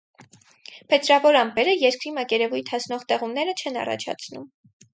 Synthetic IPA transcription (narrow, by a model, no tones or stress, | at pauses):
pʰɛt̪ɾɑvɔɾɑmpɛɾəjɛɾkɾimɑkɛɾɛvujt̪ʰɑsnɔʁt̪ɛʁumnɛɾət͡ʃʰɛnɑ̰rɑ̰t͡ʃʰɑ̰t͡sʰnum